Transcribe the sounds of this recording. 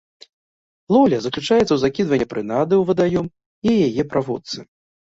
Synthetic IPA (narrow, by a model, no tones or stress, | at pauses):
lˠɔlʲɐzɐklʲut͡ʂajɛt̪sɐwzakʲid̪vɐnʲːɛpɾɨnad̪ɨwvɐd̪ajɔm | ijajɛpɾʔavɔt̪sɨ